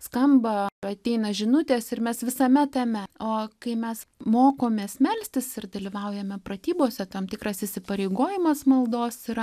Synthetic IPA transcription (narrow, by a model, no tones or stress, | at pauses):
skɐmbɐɐt̪ʲɛɪnɐʒʲɪnʊt̪ʲeːsɪrmʲɛsʋʲɪsɐmʲɛt̪ɐmʲɛoːkɐɪmʲɛsmoːkoːmʲeːsmʲɛlʲsʲt̪ʲɪsɪrd̪ɐlʲiʋɐʊjɛmʲɛpɾɐt̪ʲiːboːsʲɛt̪ɐmt̪ʲɪkɾɐsɪsʲɪpɐɾʲɛɪɡoːjɪmɐsmɐlˠd̪oːsiɾɐ